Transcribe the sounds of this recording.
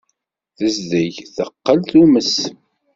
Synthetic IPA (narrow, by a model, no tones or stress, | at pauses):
θəzðæʝθəqːəlθuməs